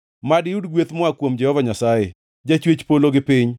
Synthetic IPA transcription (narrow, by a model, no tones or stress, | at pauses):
madɪjudɡwet̪mɔakwomd͡ʒɛhɔvaɲasaje | d͡ʒat͡ʃwet͡ʃpoloɡɪpɪɲ